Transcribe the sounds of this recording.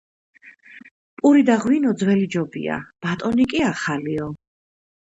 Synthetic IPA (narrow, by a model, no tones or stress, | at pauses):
pʼuɾid̪aʁwinɔd̪zwɛlid͡ʒɔbḭa̰b̥at̪ʼɔnikʼiaχaliɔ